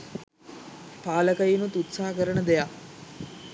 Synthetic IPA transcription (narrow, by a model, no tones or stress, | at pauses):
paːləkəjinut̪ut̪saɦəkəɾənəd̪eja